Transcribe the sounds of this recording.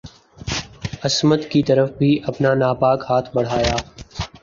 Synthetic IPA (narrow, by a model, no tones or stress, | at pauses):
ɐsməd̪kit̪ɐɾəfbʱiʔɐpnanaːpaːkɦaːt̪ʰbɐɽ̤aːjaː